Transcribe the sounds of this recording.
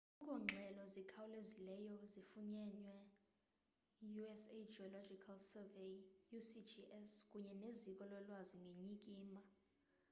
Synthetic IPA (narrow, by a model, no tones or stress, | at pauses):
ɔk̬ʼɔŋ͡ǁʱɛlɔzikʰawulezilɛjɔzifuɲɛɲwɛ | juɛsed͡ʒiɔlɔd͡ʒikʰalsɛvejjusid͡ʒiɛskʼuɲɛnezikʼɔlɔlwaziŋɡʱeɲikʼiːma